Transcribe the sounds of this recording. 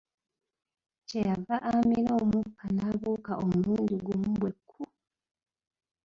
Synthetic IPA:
cejavaʔamiɾo̞ːmukʰːanaːβuːkaʔomuːnduɡomubwe̞kʰːu

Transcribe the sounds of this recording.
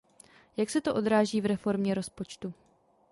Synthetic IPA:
jaksɛt̪oʔo̞d̪ɾaːʒiːvɾɛfo̞ɾmɲɛɾo̞spo̞t͡ʃt̪u

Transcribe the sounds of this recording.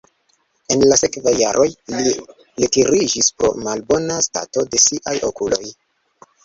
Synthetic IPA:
e̞nlase̞kvajːaɾʔo̞jli | letiɾid͡ʒispɾo̞̰malbo̞nasta̰to̞de̞siʔajo̞kulo̞j

